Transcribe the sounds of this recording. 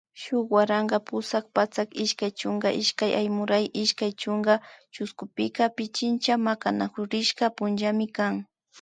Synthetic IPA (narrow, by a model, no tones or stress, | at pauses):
ʃʊkwaɾaŋɡɑpʊsak̚pat͡sakɪʃkajt͡ʃʊŋɡaʔɪʃkajajmʊɾajʔɪʃkajt͡ʃʊŋɡat͡ʃʊskʊpɪkapɪt͡ʃɪnt͡ʃamakanakʊɾɪʃkapʊnʒamɪkaŋ